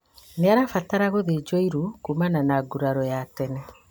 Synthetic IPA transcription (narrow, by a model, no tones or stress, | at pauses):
neaɾafataɾaɣoðed͡ʒɔiɾukumananaɡuɾaɾɔjatɛnɛ